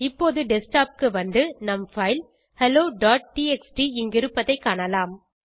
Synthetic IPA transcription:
ɪpːoːðɯɖɛsʈaːp̚kɯʋɐnd̪ɯnɐmfɐɪl | hɛloːɖaːʈ̚ʈiːɛksʈiɪŋɡɪɾɯpːɐðɐɪkːaːɳɐlaːm

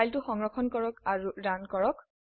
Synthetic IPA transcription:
jltʊxɔŋɹɔkʰɔnkɔɹɔkaɹudankɔɹɔk̚

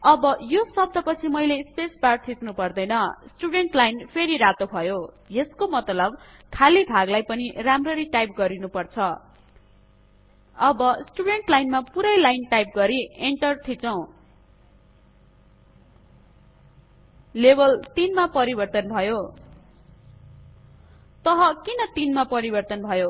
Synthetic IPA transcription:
ʌbʌjosʌb̚d̪ʱʌpʌt͡sʰimʌjlespesbart̪ʰit̪nupʌrd̪ʌjnʌsʈuɽeɳʈlajnpʰeɾiɾat̪obʱʌjo | jeskomʌt̪lʌb | kʰalibʱaɡlajpʌniramrʌɾiʈajp̚ɡʌɾinupʌrt͡sʰʌ | ʌbʌsʈuɽeɳʈlajnmapuɾʌjlajnʈajp̚ɡʌɾieɳʈʌrt̪ʰit͡sʌw̃ | lebʌlt̪inmapʌɾibʌrt̪ʌnbʱʌjo | t̪ʌɦʌkinʌt̪inmapʌɾibʌrt̪ʌnbʱʌjo

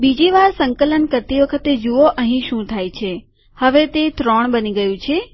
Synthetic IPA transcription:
bid͡ʒiʋaɾsəŋkələnkəɾt̪iʋəkʰət̪ed͡ʒuoʔəɦĩʃũt̪ʰajt͡ʃʰe | həʋet̪et̪ɾoɳbəniɡəjũt͡ʃʰe

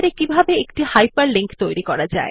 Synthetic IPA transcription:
ɾekibʱabeekʈihajpaɾliŋkt̪ojɾikɔɾad͡ʑa̰e

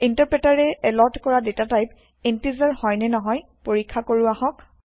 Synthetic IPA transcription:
intaɹpɹɛtaɹɛɛlɔɹtkɔɹadetatajp | entizaɹhɔjnɛnɔɦɔj | poɹikʰːakoɹuahɔk

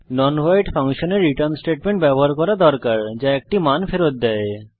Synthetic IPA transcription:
nɔnɦajʈfaŋʃoneɾːiʈəɾnsʈeʈ̚meɳʈ̚bɛboɦaɾkɔɾad̪ɔɾkaɾd͡ʑaɛk̚ʈimanfeɾot̪̚d̪ɛe

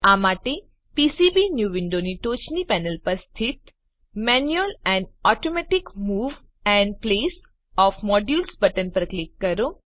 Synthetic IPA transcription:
amaʈe | pisibinjuʋɪɳɖoniʈot͡ʃnipɛnəlpəɾst̪ʰɪt̪ | mɛnjuəlɛ̃ɳɖɔʈomɛʈɪkmuːʋ | ɛ̃ɳɖ̚ples | ɔfmɔɖjulsbəʈənpɾəkɾekːəɾo

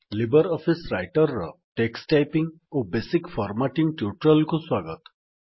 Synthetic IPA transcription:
libəɾɔfʰisɾajʈəɾːə̰ʈeksʈajpĩŋɡ | obeːsikfʰɔɾmaʈiŋɡʈjuʈɾəlkoswaːɡət̪

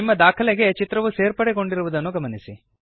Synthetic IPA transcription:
imːɐd̪aːkʰɐleɡe̞t͡ʃit̪ɾɐʋuse̞ːɾpɐɽeɡo̞ɳɖiɾuʋud̪ɐnːuɡɐmɐnisi

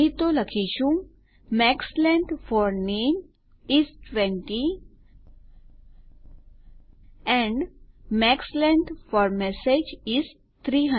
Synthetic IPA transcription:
it̪oləkʰiʃũ | mɛkslɛ̃ɳʈfɔɾnen | isʈʋɛ̃ɳʈi | ɛ̃ɳɖmɛkslɛ̃ɳʈfɔɾmɛsed͡ʒis | t̪ʰɾiɦə̃

